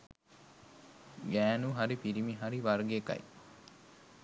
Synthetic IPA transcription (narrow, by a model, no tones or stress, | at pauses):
ɡæːnuɦaɾipiɾimiɦaɾiʋɐɾɡeːkɐ̰j